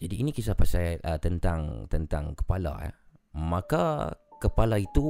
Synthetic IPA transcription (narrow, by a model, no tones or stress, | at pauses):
d͡ʒadiːnikisapasajʔət̪ənt̪aŋt̪ənt̪aŋkə̥pala̰ja̰ | mãkakəpalait̪u